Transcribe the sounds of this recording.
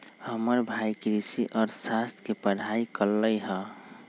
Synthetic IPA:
həməɾbʱaikɾisiʔɔːɾsast̪ʰkepəɽ̤ʱaikəlːəjɦə

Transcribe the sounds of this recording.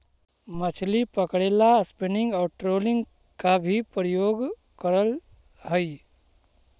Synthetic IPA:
mət͡ʃʰlipəkɽeːlaspɪɳɪ̃ŋɡɔːɾʈɾoːlɪ̃ŋɡ | kabʱipɾəjoːɡ | kəɾəl | ɦəi

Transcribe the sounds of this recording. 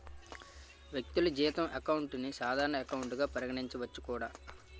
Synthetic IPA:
ʋjek̚t̪ilud͡ʒiːt̪ɐmɐkɐwuɳʈnisaːd̪ʱaːɾɐɳɐɐkɐwuɳʈuɡaːpɐɾɐɡɐɽiɲt͡ʃiʋɐt͡ʃːu̥kuːɽaː

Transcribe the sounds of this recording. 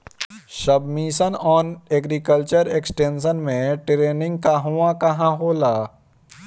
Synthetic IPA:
ʃɐbmisənɔːneːɡɾikəlt͡ʃəɾeːksʈẽːnsənmẽʈɾeːnɪ̃ŋɡ̚kaɦuãkɐɦãɦoːlaː

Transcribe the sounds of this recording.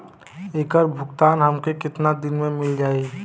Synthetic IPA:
eːkəɾbʱʊɡt̪aːnɦɐmkekɪt̪nad̪ɪnmẽmɪld͡ʒaːi

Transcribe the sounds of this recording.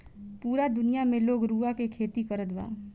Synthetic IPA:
puːɾad̪ʊnijamẽloːɡɾuːakekʰeːt̪ikəɾət̪ba̰ː

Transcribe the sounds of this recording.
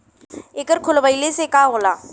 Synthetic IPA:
eːkəɾkʰʊlʋəilesekaːɦoːlaː

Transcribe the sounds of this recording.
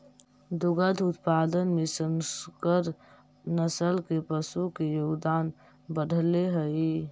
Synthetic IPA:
d̪uɡəd̪ʱut̪pad̪ənmesənskəɾ | nəsəlkepəsukejoɡd̪an | bəɖʱleɦəj

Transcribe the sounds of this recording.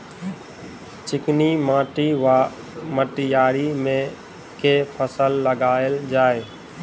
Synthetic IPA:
t͡ʃɪknimãːʈia | məʈijaːɾimẽ | kepʰəsəlːəɡaːeld͡ʒaːe

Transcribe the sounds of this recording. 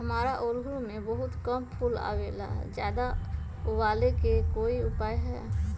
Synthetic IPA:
ɦəmaːɾaʔoːlɦɾumẽbəɦʊt̪kəmpʰuːla̰ːweːla̰ːɦd͡ʒjaːd̪a | ʊʋaːlekekoːiʊpaːjɦɛ̰ː

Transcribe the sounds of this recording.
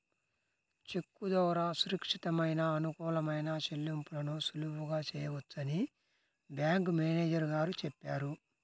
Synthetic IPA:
t͡ʃe̞kːud̪ɔːɾaːsuɾɐkʂit̪ɐmɐjnɐːnukuːlɐmɐjnat͡ʃelːimpulɐnusulubuɡaːt͡ʃɛːjɐʋɐt͡sːɐni | bjaːŋkmeːneːd͡ʒɐɾɡaːɾut͡ʃɛpːaːɾu

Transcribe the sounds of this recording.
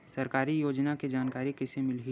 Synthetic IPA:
sɐɾkaːɾijoːd͡ʒnaked͡ʒaːnkaːɾikɪsemɪlɦi

